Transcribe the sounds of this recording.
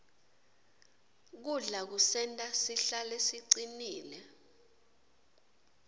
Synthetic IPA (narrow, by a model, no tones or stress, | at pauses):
k̬uɮak̬usɛntʼasiɬalesiǀiniːlɛ